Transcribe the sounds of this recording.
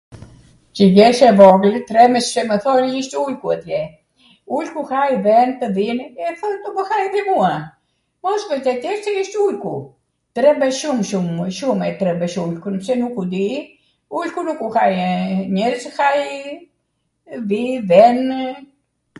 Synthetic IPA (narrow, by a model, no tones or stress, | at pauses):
t͡ʃəɡɛʃɛvɔɡlt̪ɾɛmɛssɛməθɔniʃt̪ulkuɛt̪jɛ | ulkuhajvɛnt̪əðinɛθɔnt̪ɔbəhajdimua | mɔsvəzt̪ɛt̪ɛɾsɛiʃt̪ulkṵ | t̪ɾɛbɛʃumʃumʃumɛt̪ɾɛbɛʃulkunpsɛnukud̪i | ulkunukuhajɲɛɾshaj | vivɛn